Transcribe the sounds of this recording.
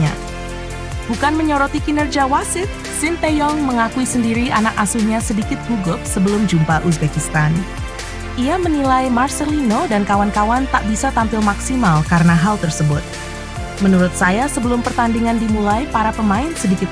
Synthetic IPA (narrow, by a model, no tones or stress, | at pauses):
a̰ | bukanməɲɔɾɔt̪ikinərd͡ʒiawasɪt̪̚ | sɪnt̪ejɔŋməŋakuisəndiɾianak̚asuhɲasədikɪt̪̚huɡʊp̚səbəlʊmd͡ʒumpaʔus̬bekist̪an | ʔiamənilajmarsəlinodankawankawant̪aʔbisat̪ampɪlmaksimalkaɾənaɦalt̪ərsəbʊt̪̚ | mənuɾʊt̪̚sajasəbəlʊmpərt̪andiŋandimulajpaɾapəmaɪnsədikɪt̪̚